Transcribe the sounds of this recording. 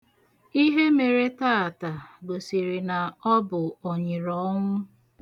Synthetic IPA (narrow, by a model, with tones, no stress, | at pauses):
i˦ɦe˦me˨ɾe˦ta˦˨ta˨ɡ͡bo˨si˨ɾi˨na˨ɔ˦bʊ˨ɔ˨ɲɪ˨ɾɔ˦ŋʷʊ˦